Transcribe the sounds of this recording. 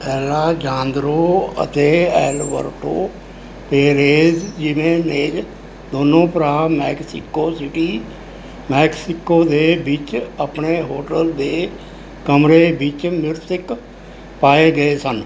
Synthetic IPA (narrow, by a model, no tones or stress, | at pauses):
pɛːlaːd͡ʒãːnd̪ɾoːə̰t̪eːɛːlʋə̰ɾʈo̰ː | peːɾeːzd͡ʒɪʋẽːneːd͡ʒ | d̪oːnõːpəɾaːmɛːksɪkoːsɪʈiː | mɛːksɪkoːd̪eːbɪt͡ʃəpɳeːɦoːʈəld̪eː | kəmɾeːbɪt͡ʃmɪɾsɪk | paːeːɡəeːsən